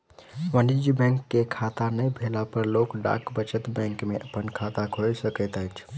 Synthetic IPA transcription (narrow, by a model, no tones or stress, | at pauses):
ʋənid͡ʒibɛ̃ŋkːekʰat̪anəjbʱelapəɾlokɖa̰kbət͡ʃət̪bɛ̃ŋkmeʔəpənkʰat̪akʰojsəkət̪əjt͡ʃʰ